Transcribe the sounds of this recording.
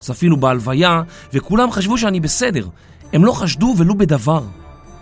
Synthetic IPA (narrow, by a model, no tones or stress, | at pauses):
safilubealvaja | vekulamχaʃ̬vuʃ̬eanibese̞de̞ʁ | e̞mlo̞χaʃduve̞lobe̞d̪avaʁ